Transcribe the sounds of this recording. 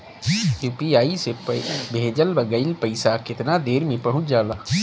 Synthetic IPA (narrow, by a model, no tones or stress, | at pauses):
juːpiaːisebʱeːd͡ʒəlbəɡəɪlpəɪsakɪt̪nad̪eːɾmẽpɐɦʊ̃t͡ʃd͡ʒaːlaː